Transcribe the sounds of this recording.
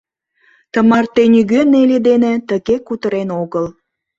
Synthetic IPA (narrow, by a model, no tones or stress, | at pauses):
t̪əmɑrt̪enyɣønelʲed̪enet̪əɣekut̪əɾenoɣəl